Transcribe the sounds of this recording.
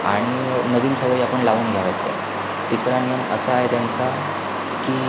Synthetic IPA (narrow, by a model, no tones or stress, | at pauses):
a̰ɽ̃i | nəʋiːnsəʋəiapəɳlaʋuːnɡʱjaʋat̪ːja̰ | t̪isɾanijəməsəːɦet̪jant͡sa | kiː